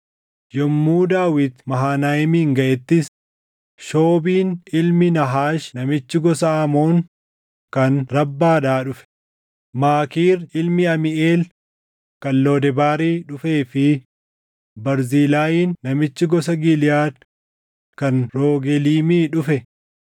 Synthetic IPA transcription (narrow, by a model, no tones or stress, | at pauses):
jɔmːuːd̪aːwɪt̪mɐɦaːnaːjɛmiːŋɡɐʔɛt̪ːɪs | ʃoːbiːnɪlmɪnɐɦaːʃnɐmɪt͡ʃːɪɡɔsaːmoːŋ | kɐnɾɐbːaːᶑaːᶑʊfɛ̥ | maːkiːɾɪlmɪɐmɪʔeːl | kɐnloːd̪ɛbaːɾiːᶑʊfe̞ːfɪ | bɐɾziːlaːjiːnːɐmɪt͡ʃːɪɡɔsɐɡɪlɪjaːd̪ | kɐnɾoːɡɛliːmiːᶑʊfɛ